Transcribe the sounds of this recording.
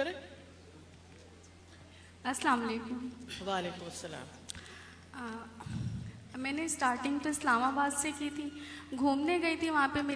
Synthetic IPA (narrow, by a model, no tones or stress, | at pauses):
kɐɾe | ɐslaːmɐleːkʊmʋaːleːkʊmɐsːɐla̰ːm | mɛ̃ːnesʈaːɾʈɪ̃ŋɡt̪oɪslaːmabaːd̪sekit̪ʰiɡʱuːmneɡɐit̪ʰiʋɐɦãpemeː